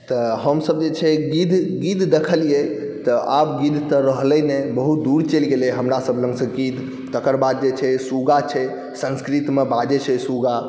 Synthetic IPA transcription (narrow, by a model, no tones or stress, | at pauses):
t̪ɔɦəmsəbd͡ʒet͡ʃʰɛɡid̪ʱɡid̪ʱd̪ekʰəlie | t̪ɔʔapɡid̪ʱt̪əɾəɦlɛnebəɦut̪̚d̪uɾt͡ʃelɡeleɦəmɾasəblə̃ŋɡsə̃ɡid̪ʱ | t̪əkəɾbad̪̚d͡ʒet͡ʃʰɛsuɡat͡ʃʰɛ | sə̃nskɾit̪mebad͡ʒɛt͡ʃʰɛsuɡa